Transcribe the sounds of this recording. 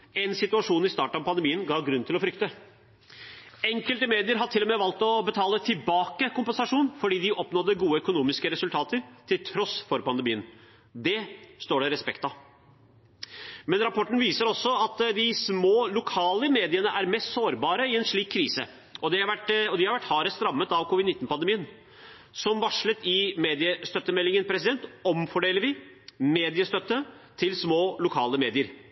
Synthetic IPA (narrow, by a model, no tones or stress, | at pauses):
ɛnsɪt̪ʉɑʂuːnɪst̪ɑ̰ːʈɳɑʋpʰɑnd̪əmiːənɡɑːɡɾʉnt̪ɪlɔfɾʏkt̪ə | ɛŋkəlt̪əmeːd̪ɪəɾɦɑʈ̪ʰɪlːɔmɛːʋɑlt̪ɔbət̪ʰɑːlət̪ʰɪlbɑːkəkʊmpənsɑʂuːnfɔɖiːd̪ɪʔɔpnɔd̪ːəɡuːəœkʊnuːmɪskəɾɛsʉlt̪ʰɑːt̪əɾt̪ʰɪlt̪ʰɾɔsfɔɾpɑnd̪əmiːən | d̪ɛst̪oːɖɛɾɛspɛkt̪ɑ | mɛnɾɑpɔʈːən̩ʋiːsəɾɔsːɔɑt̪d̪ɪsmoːlʊkʰɑːləmeːd̪ɪənəʔæɾmɛst̪soːɾbɑːɾəɪɛnʂɭiːkʰːɾiːsə̰ | ʔɔd̪ɛhɑʋæʈɔd̪ɪhɑɾʋæʈːhɑːɾəst̪ɾɑmːət̪ɑʋkʰʊʋɪd̪nɪt̪ːnpɑnd̪ɛmiːən | sɔmʋɑʂlət̪ɪmeːd̪ɪəst̪œt̪ːəmɛlːɪŋənpʰɾɛsɪd̪ɛnt̪ɔmfɔɖeːləɾʋɪ | meːd̪ɪəst̪œt̪ːət̪ʰɪlsmoːlʊkʰɑːləmeːd̪ɪəɾ